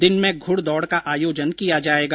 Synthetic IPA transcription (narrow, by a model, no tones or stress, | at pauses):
d̪ɪnmẽɡʱʊɽd̪ɔːɽkaʔaːjoːd͡ʒənkijad͡ʒaːeːɡaː